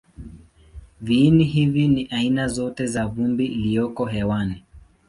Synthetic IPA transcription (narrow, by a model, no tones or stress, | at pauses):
viːniɦiviniʔainazɔtɛzavumbiːlijɔkɔɦɛwanɛ